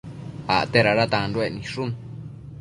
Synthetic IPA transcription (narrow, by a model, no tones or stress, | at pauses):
a̰ʔt̪eɾaɾat̪ãnɾuenĩʂun